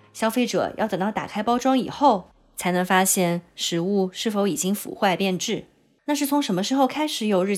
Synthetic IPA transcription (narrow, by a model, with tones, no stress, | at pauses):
ɕjɑ˥ʊfe˥ɪʈ͡ʂɤ̰˨˩˦jʔɑ˥˩ʊt̪ə˨˩ŋt̪ɑ˥˩ʊt̪a̰˨˩kʰa˥ɪpɑ˥ʊʈ͡ʂwɑ˥ŋḭ˨˩xo˥˩ʊ | t͡sʰa˧˥ɪnɤ˧˥ŋfa˥ɕjɛ˥˩nʂɻ̩˧˥u˥˧ʂɻ̩˥˩fo˧˥ʊi˨˩t͡ɕi˥ŋfṵ˨˩xwa˥˧ɪpjɛ˥˧nʈ͡ʂɻ̩˥˩ | na˥˧ʂ̬ɻ̩˥˩t͡sʰʊ˧˥ŋʂə˧˥nmə˧ʂɻ̩˧˥xo˥˧ʊkʰa˥ɪʂɻ̩˧˥jo˨˩ʊɻ̩˥˩